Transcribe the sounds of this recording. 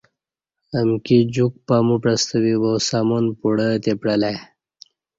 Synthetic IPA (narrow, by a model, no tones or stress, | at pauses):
əmkid͡ʑuk̚pamupɾəst̪əwiwowsaːmonpuɽət̪epɽəlaj